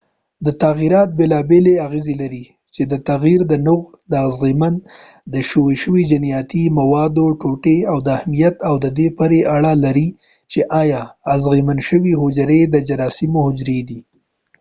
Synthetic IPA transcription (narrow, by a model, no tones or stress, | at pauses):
d̪ət̪aɣiɾɑt̪̚belɑbeleaɣezelaɾi | t͡ʃed̪ət̪aɣiɾd̪ənʊɣ | d̪əazɣiman | d̪əʃoweʃəwid͡ʒanijɑt̪imawɑd̪oʈoʈeawd̪əahmijat̪awd̪əd̪epəɾeʔaɽalaɾi | t͡ʃeʔɑjɑːzɣimanʃəwiɦʊd͡ʒɾed̪əd͡ʒaɾɑsɪmohʊd͡ʒɾed̪i